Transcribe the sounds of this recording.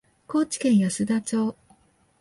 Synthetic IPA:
ko̞ːt͡ɕi̥kẽ̞ɰ̃jaɕɨd̪at͡ɕo̞ː

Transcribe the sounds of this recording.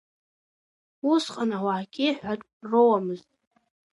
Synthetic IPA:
usqʼanawaʕkʲʼiħʷᶣatʼrowamɨztʼ

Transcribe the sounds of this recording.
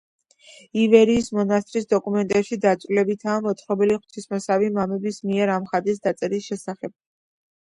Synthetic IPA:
ivɛɾiːsmɔnast̪ʼɾisd̪ɔkʼumɛnt̪ʼɛpʃid̪at̪sʼvlɛbit̪ʰaːmɔt̪sʰχɾɔbɛliχw̥t̪ʰismɛsavimamɛbismiɛɾamχad̪is̬d̪at̪sʼɛɾisʃɛsaχɛb̥̚

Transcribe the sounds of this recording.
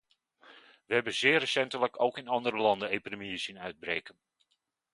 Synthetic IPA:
ʋəɦɛbənzɪːrəsɛntələkʰowkɪnɑndəɾəlɑndəejpidemiəsinœɥd̚breːkən

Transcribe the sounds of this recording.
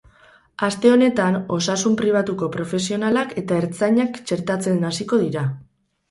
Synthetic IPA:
ast̪e̞o̞ne̞t̪ano̞sasumpɾiβ̞at̪uko̞pɾo̞fe̞sio̞nalake̞t̪aeɾt͡saɲakt͡ʃe̞ɾt̪at͡se̞nasiko̞ð̞iɾa

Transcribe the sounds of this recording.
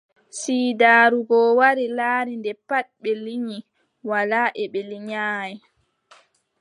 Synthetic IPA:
siːdaːɾuɡɔwaɾilaːɾindɛpaɗ̚ɓɛliɲi | walaːʔɛɓɛliɲaːjɛ

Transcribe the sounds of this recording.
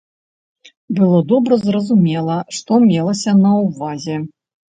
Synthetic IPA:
bɨlˠɔd̪ɔbɾɐzrɐzumʲɛlˠɐʂt̪ɔmʲɛlˠɐsʲɐnɐwvazʲɛ

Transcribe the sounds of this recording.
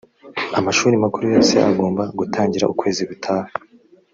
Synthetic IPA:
amaʃuːɾimakuɾujo̞ːse̞ʔa̰ɡo̞ːmbaɡutʰaːɲɟiɾa̰ukwe̞ːziɡutʰaːhe

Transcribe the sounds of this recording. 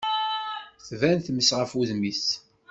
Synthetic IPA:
θvænθməsʁəfuðmis

